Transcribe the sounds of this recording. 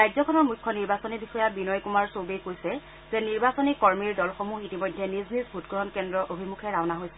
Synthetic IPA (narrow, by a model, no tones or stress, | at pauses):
ɹajzɔkʰɔnɔɹmujkʰːɔniɹbasɔnibixɔjabinɔjkumaɹsobejkojsɛ | zɛniɹbasɔnikɔɹmiɹdɔlxomuxitimojdʱːɛniznizbʱutɡɔɦɔnkɛndɹɔʔobʱimukʰɛɹawnaɦojsɛ̥